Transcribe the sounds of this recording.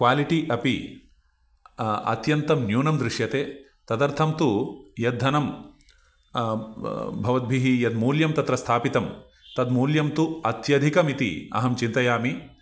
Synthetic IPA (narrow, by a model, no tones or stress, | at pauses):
kʋaːliʈiʔɐpḭ | ɐ̰t̪jɐnt̪ɐmnjuːnɐmd̪ɾɪʂjɐt̪eː | t̪ɐd̪ɐɾt̪ʰɐmt̪ujɐd̪ʱːɐnɐm | bʱɐʋɐd̪̚bʱiɦijɐd̪muːljɐmt̪ɐt̪ɾɐst̪ʰaːpit̪ɐm | t̪ɐd̪muːljɐmt̪uɐt̪jɐd̪ʱikɐmit̪ḭɐ̰ɦɐmt͡ʃint̪ɐjaːmi